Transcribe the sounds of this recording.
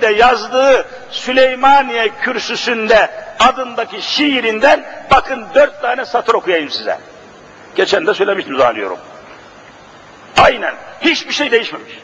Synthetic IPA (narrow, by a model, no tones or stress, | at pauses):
d̪ɛjazd̪ɯɯ | sylʲejmanijɛcʰyɾsysynd̪ɛad̪ɯnd̪aciʃiɾind̪ænbakʰɯnd̪øɾt̪ːaːnɛsat̪ʰɯɾo̞kʰujajɯmsizɛ̰ | ɟ̥et͡ʃʰænd̪ɛsø̞jlʲemiʃt̪imzalɯjo̞̰ɾṵm | ajnænhit͡ʃbiɾʃejd̪e̞jiʃmɛmiʃ